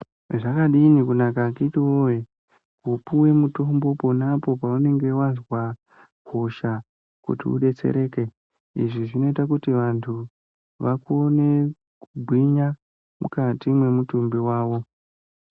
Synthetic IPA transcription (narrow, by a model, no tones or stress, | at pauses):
ʐakaɗinikunakakitiwoje | kupuwe̞muto̞mbo̞po̞napo̞paune̞ŋɡe̞wazwa | hoʃa | kṵtḭṵɗe̞t͡se̞̰ɾe̞ːke̞ | ḭʐiʐino̞itakutiʋantʰu | ʋakuone̞ | kubʱwiɲa | mṵkatimwe̞mutumbiwaːʋo̞